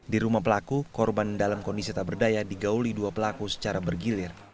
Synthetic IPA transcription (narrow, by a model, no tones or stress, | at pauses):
diɾumahpəlakukɔrbandalamkɔndisit̪abərdajadiɡauliduapəlakusə̥t͡ʃaɾabərɡilɪr